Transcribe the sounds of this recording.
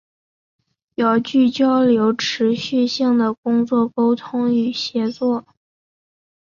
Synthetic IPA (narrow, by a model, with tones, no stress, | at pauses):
jɑ˥˧ʊt͡ɕy˥˩t͡ɕjɑ˥ʊljo˧˥ʊʈ͡ʂʰɻ̩˧˥ɕy˥˧ɕi˥˩ŋd̪ə˩kʊ˥ŋt͡swɔ˥˩ko˥ʊt̪ʰʊ˥ŋy˨˩ɕjɛ˧˥t͡swɔ˥˩